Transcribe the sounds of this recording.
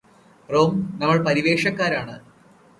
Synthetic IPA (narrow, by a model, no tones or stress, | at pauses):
roːmnɐmːɐɭpɐɾiʋeːʂɐkːaːɾaːɳɨ